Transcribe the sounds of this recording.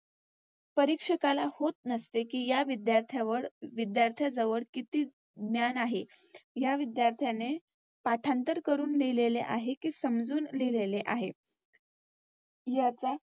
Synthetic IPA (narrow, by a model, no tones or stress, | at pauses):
pəɾikʂəkalahot̪̚nəst̪ekiːjaʋid̪jaɾt̪ʰjaʋəɽʋid̪jaɾt̪ʰjad͡zəʋəɽkit̪iː | d̪njanaɦe | jaʋid̪jaɾt̪ʰjane | paʈʰãnt̪əɾkəɾuːnlilelḛʔaɦekiːsəmd͡zuːnlileleʔaɦe | jat͡sa